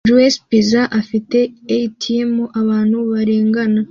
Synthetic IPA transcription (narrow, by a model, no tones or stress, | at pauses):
d͡ʒuwespizaʔafite̞eitʰijemoʔaβaːnhuβaɾe̞ːŋɡana